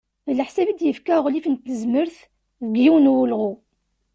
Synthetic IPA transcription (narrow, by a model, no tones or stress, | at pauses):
lħsæbid̪jəfkæʁlifənt̪ːəzməɾθ | vɡjiwnwəlʁʊ